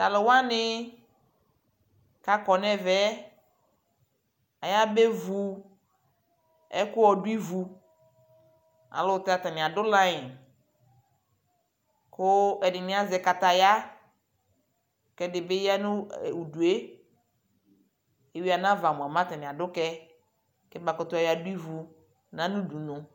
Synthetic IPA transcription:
t̪a˨lɪ˨wa˦nɪ˦ | ka˨kɔ˨nɛ˦vɛ˦ | a˨ja˦be˦vu˨ | ɛ̰˦kʊ˦wɔ˨dʊ˦i˦vu˨ | a̰˨lo˦t̪a˦t̪a˨nɪ̃˨a˨dʊ˦lã˦jɪ˨n | kʊ˦ɛ˨dɪ˨nɪ̃˦a˦zɛ˨ka˨t̪a˨ja˦ | kɛ˦dɪ˨be˦ja˦nʊ̃˦˨u˨du˨e˦ | e˨wi˦a˨nã˦va˨mʊ˨a˨mã˦t̪a˨nɪ̃˨a˨dʊ˦kɛ˦ | kɛ˦ba˨kɔ˨t̪ʊ˦a˨ja˨dʊ˦i˦vu˨ | nã˦nũ˦du˨nʊ̃˨

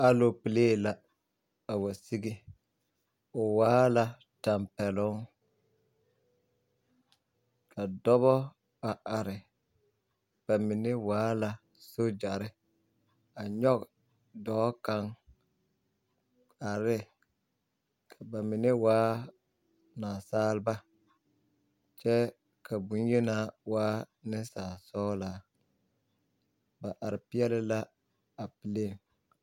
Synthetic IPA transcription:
a˦lo˨pɪ˨leː˦˨la˨ | a˨wa˨si˦ɡi˦ | ʊ˨waː˦la˨ | ta˨mpɛ˨lʊ˦ŋ | kʰa˨dɔ˦βɔ˦ | a˨ʔa˨ɾɪ˨ | b̥a˨mɪ˨nɪ˦waː˦la˨ | so˦d͡ʒa˨ɾɪ˦ | a˨ɲɔ˦k | dɔː˨˦ka˦ŋ | a˨ɾɪ˦ | kʰa˨ba˨mi˨ne˦waː˨˦ | naː˨saː˦lba˦ | t͡ʃɛ˦ | kʰa˨bu˨˦n˦je˦naː˦waː˦nɪ˦saː˨sɔː˦la˨ | ba˨ʔa˨ɾɪ˨pɪ˦ɛ˦lɪ˦la˦ | a˨pi˨le˦˨m

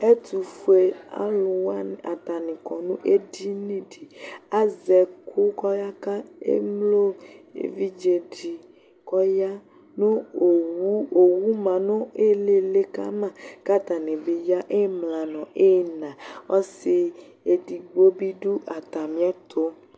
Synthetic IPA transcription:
e˦t̪u˨fu˦e˦a̰˦lo˨wa˦n˨a̰˨t̪a˨nĩ˨kɔ˨nũ˦ʔe˦di˦nĩ˦ɖi˨a˦zɛ˨kʰo˦kɔ˦ja˦ka˦ḛ˦mlo˦ḛ˨vi˦d͡ʒe˨ɖi˨ | kɔ˦ja˦ | nũ˦o˨wu˦o˨wu˦mã˨nõ˦e˦le˦le˦ka̰˦mã˨ka˦t̪a˨nẽ˨be˨ja˦ʔe˦mlã˨nɔ̃˨ʔe˦˨nã˨wɔ˦si˨ | e˨di˨ɡ͡bo˦bi˦ɖu˦ʔa˨t̪a˨mĩ˦a˦t̪ʰo˦

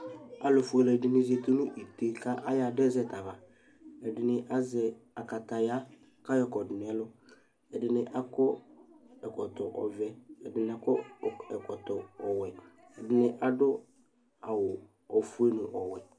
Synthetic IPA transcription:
a˦lɔ˨fʊ˨˦e˦lɔ˨ɛ˨dɪ˦nɪ̃˦ze˨t̪o˦nʊ̃˦ʔi˨t̪e˦kʰa˦ʔa˦ja˨dɛ˦zɛ˦ta˨va˨ | ɛ˨dɪ˦nɪ̃˦ʔa˦zɛ˦a˨ka˨ta˨ja˦ | ka˦jɔ˦kɔ˨dɪ˨nɪ˨ɛ˦lʊ˦ | ɛ˨dɪ˨˦nɪ̃˦ʔa˦kɔ˦ | ɛ˨kɔ˨tɔ˨ʔɔ̰˨vɛ˨ɛ˨dɪ˨nɪ˦˨a˨kɔ˦ɛ˨kɔ˨tɔ˨ɔ˨wɛ˨ | ɛ˨dɪ˦nɪ̃˦ʔa˨dʊ˦ | a˨wʊ˨ | ɔ˨fu˦e˦nʊ̃˨ʔɔ˨wɛ˨

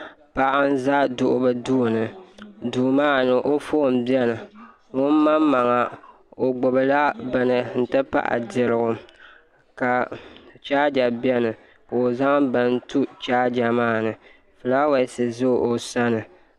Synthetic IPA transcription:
pa˨ʔa˦n˦za˦dʊ˨ʔʊ˦bɨ˦duː˦˨nɨ˨duː˨maː˦˨nɨ˨ʔo˦foː˦˨m˦bɛ˦nɨ˨ | ŋʊ˦n˦ma˦mma˨ŋa˨ | o˨ɡ͡bo˨bɨ˨la˦bɨ˨nɨ˨n̩˦tɨ˦pa̰˦ʔa̰˨dɪ˨ɾɨ˨ɡʊ˨ | ka˨t͡ʃaː˦d͡ʒa˨bi˦ɛ˦nɨ˨ | ka˨o˨za˦ŋ˦bɨ˦n˦tu˦t͡ʃaː˦d͡ʒa˨maː˦˨nɨ˨ | fɨ˨la˦wa˨˦sɨ˨zo˦˨ʔo˨sa˦nɨ˨

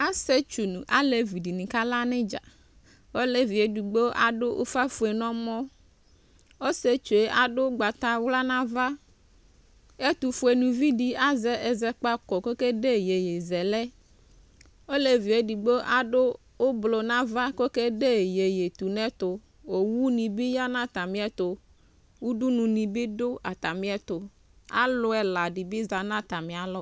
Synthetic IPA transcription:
a˦se˦t͡ʃu˨nũ˨ʔa˦le˨vi˨di˨nĩ˨ka˦la˦nɛ̃˦d͡ʒa̰˨ | wo˦le˦vi˨e˨du˨ɡ͡be˦ʔa˨ɖo˦ʔo̰˦fa˦fu˨e˨nɔ̃˦mɔ̃˦ | o˦se˦t͡ʃu˨e˦ʔa˨ɖo˦ɡ͡ba˨t̪a˦wla˦nã˦va˦ | e˦t̪u˨fu˨e˨nũ˨vi˦ɖi˦a˦zɛ˦ɛ˨zɛ˦k͡pa˦kɔ˨ko˦ke˦ɖe˦je˨je˨zɛ˨lɛ˦ | o˦le˦vi˨e˦ɖi˨ɡ͡be˦ʔa˦ɖo˦ | wo˦blo˨nã˦va˦ko˦ke˦ɖe˦je˨je˨t̪u˨nɛ̃˦t̪o˨ | wo˨wu˦nĩ˨bi˦ja˦nã˦t̪a˨mĩ˦ɛ˦t̪o˨ | wu˦ɖu˦nũ˨nĩ˨bi˦ɖo˦a˨t̪a˨mĩ˦ɛ˦t̪o˨ | a̰˦lo˨ɛ˨la˨ɖi˨bi˦za˨nã˦t̪a˨mĩ˨a˨lɔ˦

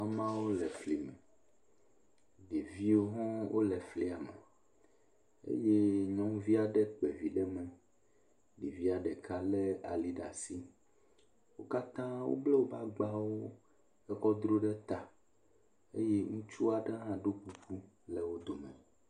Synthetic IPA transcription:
a˦mã˦wo˦lɛ˨fli˨mɛ˨ | ɖi˨vi˦wo˦ɦɔ̃˦wʔo˦lɛ˨fli˦˨a˨mɛ̰˨ | ḛ˦je˦ɲɔ̃˦ŋ˦vi˦a˨ɖɛ˦k͡pɛ˨vi˨ɖɛ˦mɛ̃˦ | ɖi˨vi˦a˨ɖɛ˨kʰa˦lɛ˦a̰˨li˦ɖa̰˨si˦ | wo˦ka˦t̪ã˦wo̰˦blɛ˦wo˦ba˦ɡ͡ba˦wo˦ | ɛ˦xɔ˦d̪ɾo˦ɖɛ˦t̪a˨ | ḛ˦je˦ŋũ˦t͡ʃu˦a˨ɖã˦ɦã˦ɖo˦k͡pu˨ɸu˦ | lɛ˨wo˦d̪o˨mɛ̃˨

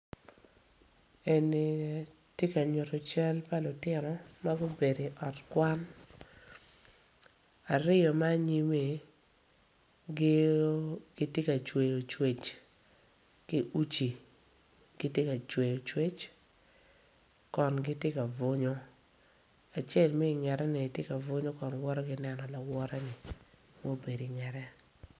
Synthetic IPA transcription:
e˨ni˨ | tje˦ka˨ɲo˨tɔ˨t͡ʃɛ˦lpa˦lʊ˨tɪ˦nɔ˨ma˦ɡʊ˦be˨de˨ʔɔ˨tkwa˦n | a˨ɾɪ˦jɔ˨ma˦ɲi˦me˨ | ɡe˦o˦ɡ̥ɪ˦tje˦ka˨t͡ʃwe˨jo˨t͡ʃwe˨t͡ʃ | kɪ˦ʔu˦t͡ʃi˨ | ɡ̥ɪ˦tje˦ka˨t͡ʃwe˨jo˨t͡ʃwe˦t͡ʃ | kɔ˨nɡɪ˦te˦ka˨vʊ˦ɲo˦ | a˨t͡ʃe˦˨lme˦i˨ŋɛ˨ɾɛ˦nɪ˨tje˦ka˨vʊ˦ɲo˦kɔ˨nwɔ˦ɾɛ˦ɡɪ˦nɛ˦nɔ˨la˨wɔ˦ɾɛ˦nɪ˨ | mo˦be˨di˨ŋɛ˨ɾɛ˦

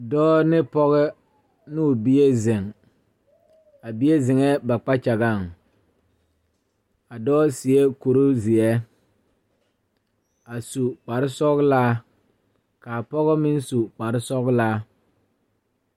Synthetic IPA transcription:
dɔː˦nɪ˦pɔ˦ɣɛ˦ | nu˦˨bi˦e˦zɪ˨ŋ | a˨bi˦e˦zɪ˨ŋɛ˦ba˨k͡pa˦t͡ʃa˨ɡa˦˨ŋ | a˨dɔː˦si˨e˦ko˨ɾo˦zi˨ɛ˦ | a˨su˨k͡pa˨ɾɪ˦sɔ˦ɡlaː˦ | kaː˨pɔ˦ɣɔ˦mɪ˦nsu˨k͡pa˨ɾɪ˦sɔ˦ɣlaː˦

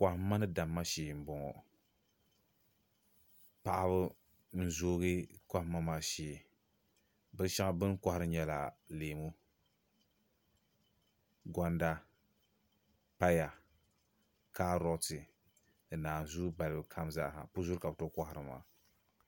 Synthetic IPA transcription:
ka˨hm˦ma˦nɨ˦da˨mːa˦ʃeː˨m̩˨bɔ˨ŋɔ̰˨ | pa˨ʔa˦βɨ˦ | n̩˦zoː˦ɣɨ˦ka˦hmːa˦maː˨ʃeː˨ | bɨ˦ʃa˦ŋa˦bɨ˦n˦kʷa˦hɾɨ˨˦ɲɛ˦la˨leː˨mu˦ | ɡɔ˦nda˦ | pa˦ja˨ | ka˦ɾɔ˦tɨ˨ | ɨ˨naː˨n˨zu˦ba˨lɨ˨bɨ˨kʰa˦mza̰˦ʔha̰˨pu˦zu˦ɾka˨bɨ˨to˦ka˦ha˨ɾɨ˨ma̰ː˨

